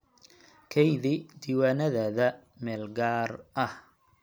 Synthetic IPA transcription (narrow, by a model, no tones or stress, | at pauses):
kʰɛjðɪd̪iːwaːnɐðaːðɐ | mɛːlɡaːrʔɐh